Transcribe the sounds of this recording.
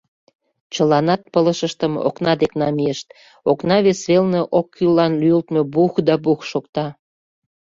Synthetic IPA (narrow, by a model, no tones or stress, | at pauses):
t͡ɕəlɑnɑt̪̚pələʃəʃt̪əmo̰knɑd̪eknɑmijəʃt̪ | oknɑβesβelneʔokʰːylːɑnlyjəlt̪mebuxd̪ɑbuxʃokt̪ɑ